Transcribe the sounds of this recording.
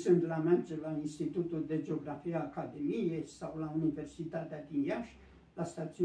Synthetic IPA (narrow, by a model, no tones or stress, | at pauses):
sɨnt̪lamerd͡ʒelainst̪it̪ut̪uld̪e̞d͡ʒeo̞ɡɾafijeakad̪e̞mijejsawlaunive̞rsit̪at̪ead̪injaʃ | last̪at̪siu